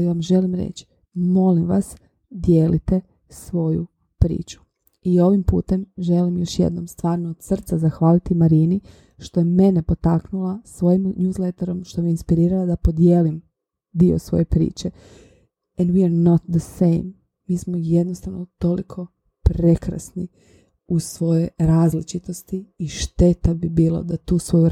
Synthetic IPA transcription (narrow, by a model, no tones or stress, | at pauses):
aliʋamʒe̞limɾḛt͡ʃi̥ | mo̞limʋa̰s | d̪je̞ːlit̪e̞ | sʋo̞ju | pɾḭːt͡ʃu̥ | io̞ʋimpṵːt̪e̞mʒe̞limjoʃjḛd̪nomst̪ʋaːɾnoːd̪̥sr̩t̪sazaxʋaːlit̪imaɾiːni | ʃt̪o̞jeme̞ne̞po̞t̪aknulˠasʋo̞jimnjuːzlet̪eɾo̞mʃt̪omiinspiɾiːɾalad̪apo̞d̪jeːlim | d̪io̰sʋo̞̰je̞pɾḭːt͡ʃe̞ | ɛnd̪wiaɾnot̪d̪əsejmː | iːsmojed̪nost̪aʋnot̪o̞likʰo̞ | pɾe̞kɾa̰sni | usʋo̞jeɾaːzlit͡ʃit̪o̞st̪iːʃt̪e̞t̪abibiːla̰d̪at̪uːsʋo̞ju